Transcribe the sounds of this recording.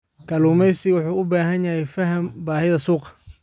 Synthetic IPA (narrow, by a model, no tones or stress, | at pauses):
kʰɐluːmɛjsɪɣwʊħuːʊbaːɦɐnjɐhɛjfɐɦɐmbaːɦɪðɐsuːqɑ̥